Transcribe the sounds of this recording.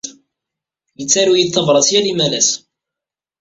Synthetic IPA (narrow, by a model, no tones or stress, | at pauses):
jət͡sːæɾujid̪θɑvɾˤɑsjælimælæs